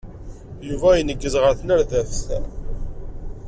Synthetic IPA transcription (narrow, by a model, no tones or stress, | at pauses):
juvæjənəɡːəzʁəɾθnəɾðæfθ